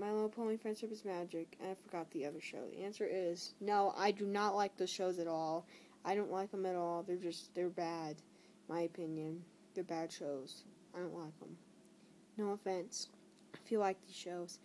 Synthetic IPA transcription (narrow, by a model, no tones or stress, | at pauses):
maɪlol̩ˠpʰoʊlˠĩŋfɹɛ̃nd̥ʃəpɨzmæd͡ʒɪkɨ̰̃naɪ̥fə˞ɡɑt̪̚ðiʌðə˞ʃo̰ʊðḭʔæ̃nsə˞ɪz̥noʊʔa̰ɪdɨnətˡlaɪk̚ðoʊz̥ʃoʊzɨɾɔlˠ | aɪɾõʊ̃nʔˡlaɪkə̃mɨɾɔlˠðə˞d͡ʒʌstðə˞bæd | maɪɨpʰɪ̃njɨ̃n | ðə˞bæd̥ʃoʊz̥aɪdõʊ̃nʔlaɪkə̰̃m | noʊəfɛ̃nts | aɪfilaɪk̚ðiz̥ʃoʊz̥